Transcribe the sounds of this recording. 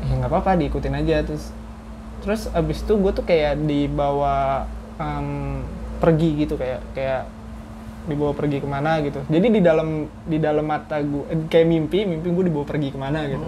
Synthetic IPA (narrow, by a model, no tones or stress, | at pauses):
jaŋɡapapadiːkut̪ɪnad͡ʒat̪ɾʊs | t̪əɾʊsabɪst̪uɡuat̪ʊkajaʔdibawa | əmpərɡiɡit̪ukajakajaʔ | dibawapərɡikəmanaɡit̪ud͡ʒadididaləm | didalamːat̪aɡuakajaʔmimpɪmimpɪɡuadibawapərɡikəmanaɡit̪u